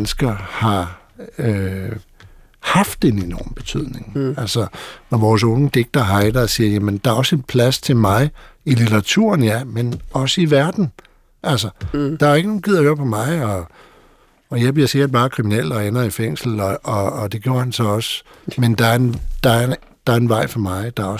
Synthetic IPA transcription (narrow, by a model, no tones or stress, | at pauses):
nəsɡ̥ɐhɑ̈ | ø | hɑ̈fd̥e̝ne̝nɒ̰ːmb̥e̝t͡sʰyð̰ˠne̝ŋælsɐnɒʋɒːs̬ɔ̽ŋəd̥e̝ɡ̥̚d̥ɐɦɑ̈ɪd̥ɐːsiːɐjæmənd̥ɑ̈æɐɒ̽senpʰlæst͡sʰe̝lmɑ̈ɪilit͡sɐʁɑ̈t͡sʰṵɐ̰njæmenɒ̽səiʋæɐd̥n̩ | ʔælsɐd̥ɑ̈æe̝ɡ̥ənoːn̩ɡ̥ið̰ˠɐjøɐpʰɒ̽mɑ̈ɪɒ̽ | ɒ̽jɑɪb̥liɐse̝ɡɐd̥̚b̥ɑ̈ːkʰʁiminel̰d̥ɒ̽enɐifeŋ̰sl̩ɒɒ̽ːd̥e̝ɡ̥jo̝ɐ̰hænsɒ̽ɒ̽sə | mend̥ɑæɐend̥ɑ̈æɐ | d̥ɑ̈æɐenʋɑ̈ɪ̰fɒmɑ̈ɪd̥ɑ̈ɐɒ